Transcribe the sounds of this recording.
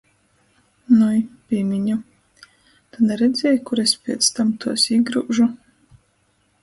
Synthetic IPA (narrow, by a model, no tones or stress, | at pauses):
nujpʲiːmʲiɲu | t̪anɛɾɛd̪zʲɛːjkuɾespʲiɛt̪st̪amt̪uɔsiɡɾuːʒu